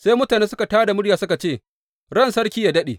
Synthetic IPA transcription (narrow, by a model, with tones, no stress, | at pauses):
saː˦jmʊ˦taː˨neː˦sʊ˦ka˨taː˦da˨mʊ˦ɽjaː˨sʊ˦ka˨t͡ʃeː˦˨ | ɽɐ˦nsɐ˦ɽkʲiː˦jaː˨dɐ˦ɗḛː˨